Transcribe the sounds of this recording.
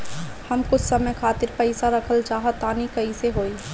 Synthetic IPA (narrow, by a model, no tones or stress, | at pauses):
hɐmkʊt͡ʃʰsɐməjkʰaːt̪ɪɾpɛɪsaɾɐkʰəld͡ʒaːɦat̪aːnikɐiseɦoːiː